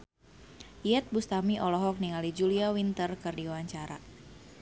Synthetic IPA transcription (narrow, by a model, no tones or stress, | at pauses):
ʔiɛt̪̚bust̪amiʔɔlɔɦɔk̚niŋalid͡ʒuliawint̪ərkɨrdiwaɲt͡ʃaɾa̰